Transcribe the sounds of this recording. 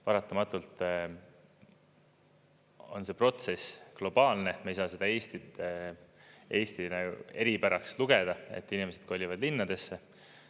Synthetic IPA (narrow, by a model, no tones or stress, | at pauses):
pɑɾɑt̪ːˑɑmɑt̪ːˑult̪ | o̞nse̞pro̞t̪se̞sklo̞b̥ɑːlne̞mejsɑːse̞d̪ɑe̞ːst̪it̪e | e̞ːst̪inæue̞ɾipæɾɑksluɡ̥e̞d̪̥ɑḛt̪ːinime̞se̞d̪̥̚ko̞lʲːivɑd̪̥linːɑd̪e̞sːe̞